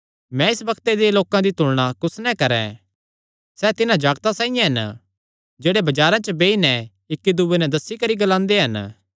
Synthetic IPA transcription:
mɛ̃ɪsbɐkʰt̪ed̪eloːkãd̪it̪ʊɽɽ̃akʊsnɛ̃kɐɾɛ̰̃ | sɛt̪ɪnãd͡ʒaːɡt̪asãːijãɦɐn | d͡ʒeːɽebɐd͡ʒaːɾãt͡ʃəbeːinɛ | ɪkːid̪ʊʋenɛd̪ɐsːikɐɾiɡɐlãːnd̪eɦɐn

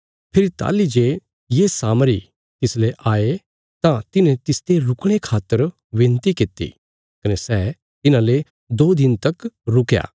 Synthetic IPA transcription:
pʰɪɾit̪a̰ːlid͡ʒe | jesaːmɾi | t̪ɪsleʔaːe | t̪ãt̪ɪnɛ̃t̪ɪst̪eɾʊkɽ̃ekʰaːt̪ːəɾ | ʋẽːnt̪ikɪt̪ḭ | kɐnesɛː | t̪ɪnãle | d̪oːd̪ɪnt̪ɐkɾʊkja̰ː

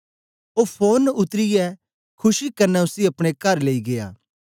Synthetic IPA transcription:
oːpʰoːnʊt̪ɾɪjɛ | kʰʊʃikɐɾnɛʊsiɐpɽ̃ekɐɾleːiɡeja̰ː

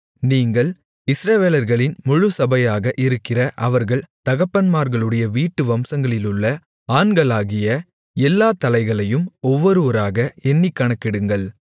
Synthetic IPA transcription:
niːŋɡɐɭ | ɪsɾɐʋeːlɐɾɣɐɭɪnmʊɻʊsɐbɐjaːɣɐʔɪɾɯkːɪrɐʔɐʋɐɾɣɐɭt̪ɐɣɐpːɐnmaːɾɣɐɭɯɽɐjɐʋiːʈːɯʋɐmsɐŋɡɐɭɪlɯɭːɐ | aːɳɡɐɭaːɣɪjɐ | ɛlːaːt̪ɐlɐɪɣɐɭɐjɯmɔʋːɔɾɯʋɐɾaːɣɐɛnːɪkːɐɳɐkːɪɽɯŋɡɐɭ

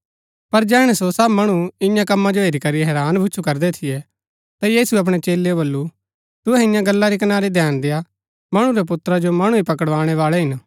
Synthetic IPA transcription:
pɐɾd͡ʒɛːɽ̃ɛsosɐbmɐɽ̃uɪ̃jãkɐmːad͡ʒoɦeːɾikɐɾiɦɛːɾaːnbʱʊt͡ʃʰukɐɾd̪ɛt̪ʰɪjɛ | t̪ajiːsuɛɐp̬ɽ̃et͡ʃeːlːeobɐlːu | t̪ʊɛɪ̃jãɡɐlːaɾik̬ɐnaːɾid̪ʱjaːnd̪eja | mɐɽ̃ũɾɛp̬ʊt̪ɾad͡ʒomɐɽ̃ũipɐkəɽʋaːɽ̃ɛʋaːɭɛɦɪn

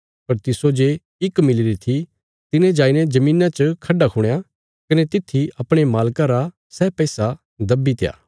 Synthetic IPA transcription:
pɐɾt̪ɪsod͡ʒeː | ɪkmɪlɪɾit̪ʰi | t̪ɪnẽd͡ʒaːinɛd͡ʒɐmĩːnãt͡ʃəkʰɐɖakʰʊɽ̃ja | kɐnet̪ɪt̪ʰːiɐpɽ̃emaːlkaɾa | sɛːpɛːsa | d̪ɐbːit̪eja̰ː

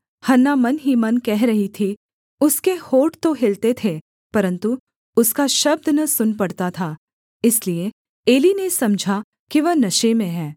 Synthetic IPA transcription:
hɐnːamɐnɦimɐnkɛɦɾɐɦit̪ʰi | ʊskehoːʈt̪oɦɪlt̪et̪ʰe | pɐɾə̃nt̪u | ʊskaʃɐb̚d̪nɐsʊnpɐɽt̪at̪ʰaː | ɪslie | eːlinesɐmd͡ʒʱa | kiʋɐɦnɐʃemẽɦɛː

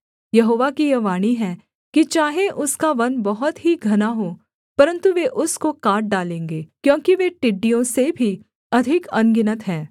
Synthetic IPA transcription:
jɐɦoːʋakijɐʋaːñiɦɛː | kit͡ʃaːɦeʔʊskaʋɐnbɐɦɔt̪ɦiɡʱɐnaɦoː | pɐɾə̃nt̪uʋeʔʊskokaːʈ̚ɖaːlẽːŋɡeːkjõːkiʋeʈɪɖːijõsebʱi | ɐd̪ʱɪkɐnɡɪnət̪ɦɛ̃ː

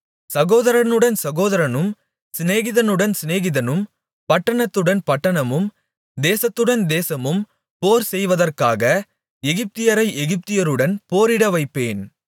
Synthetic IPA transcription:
sɐɣoːðɐɾɐnɯɽɐnsɐɣoːðɐɾɐnɯm | sɪneːɣɪðɐnɯɽɐnsɪneːɣɪðɐnɯm | pɐʈːɐɳɐt̪ːɯɽɐnpɐʈːɐɳɐmɯm | d̪eːsɐt̪ːɯɽɐnd̪eːsɐmɯm | poːɾsɛjʋɐðɐrkaːɣɐ | ɛɣɪp̚t̪ɪjɐɾɐɪʔɛɣɪp̚t̪ɪjɐɾɯɽɐnpoːɾɪɽɐʋɐɪpːeːn

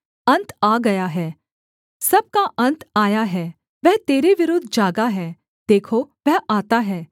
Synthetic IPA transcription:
ɐ̃nt̪aːɡɐjaɦɛː | sɐb̚kaʔɐ̃nt̪aːjaɦɛː | ʋɛɦt̪eːɾeʋɪɾʊd̪ʱːd͡ʒaːɡaɦɛː | d̪̥eːkʰoʋɛɦaːt̪aɦɛː

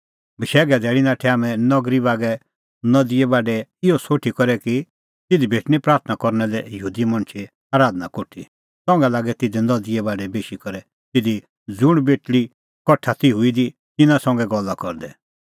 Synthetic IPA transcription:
bəʃɛːɡɛd̪ɛːɭinãʈʰɛaːmɛ̃nɔɡɾibaːɡɛ | nɔd̪iɛbaːɖɛɪɔsoːʈʰikɔɾɛki | t̪ɪd̪ibʱeːʈñipɾaːɾt̪ʰnakɔɾnɛlɛjəɦuːd̪imɐ̃ɳ̃t͡ʃʰe | aːɾaːd̪nakoʈʰḭ | sɔ̃ŋɡɛlaːɡɛt̪ɪd̪inɔd̪ɪɛbaːɖɛbeːʃikɔɾɛ | t̪ɪd̪i | d͡zʊɽ̃beːʈɽi | kɔʈʰːat̪iɦʊid̪i | t̪ɪnãsɐ̃ŋɡɛɡɔlːakɔɾd̪ɛ

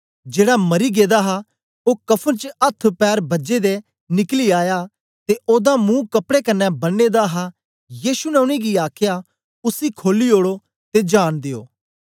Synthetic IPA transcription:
d͡ʒeːɽamɐɾiɡeːd̪aɦa | oːkɐpʰənt͡ʃəɐt̪ʰːpɛːɾbɐd͡ʒed̪e | nɪkliaːja | t̪eʔoːd̪amũːkɐpɽekɐnːɛbɐnːeːd̪aɦa | jiːʃunɛʊɽ̃iɡiaːkʰja | ʊsikʰoːliɦoːɽo | t̪ed͡ʒaːɽd̪eo̰ː

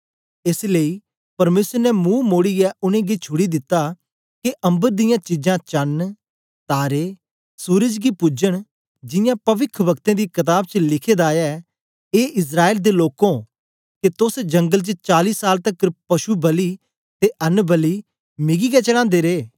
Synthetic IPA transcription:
ɪsleːiː | pɐɾmeːsəɾnɛmũːmoːɽijɛʔʊnẽːɡet͡ʃʰʊɽid̪ɪt̪ːa | keʔɐ̃mbəɾd̪ɪjãːt͡ʃɪd͡ʒãːt͡ʃən | t̪aːɾeː | suːɾəd͡ʒɡipʊd͡ʒəɽ̃ | d͡ʒɪjãpɐʋɪkʰʋɐkt̪ẽːd̪iːkɐt̪̬aːbt͡ʃəlɪkʰeːd̪aːja | eːʔɪs̬ɾaːeːld̪eloːkõː | ket̪ʊsd͡ʒɐ̃ŋɡəlt͡ʃət͡ʃaːliːsːaːlt̪əkpɐʃubɐliː | t̪eʔɐnbəliː | mɪɡiɡɛt͡ʃəɽãːnd̪eːɾeː

